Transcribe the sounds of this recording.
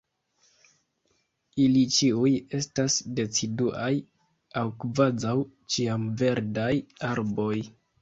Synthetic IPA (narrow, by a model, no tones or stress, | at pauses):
ilit͡ʃiuje̞stasde̞t͡siduʔaj | awkvazaw | t͡ʃiamve̞ɾdajaɾbo̞j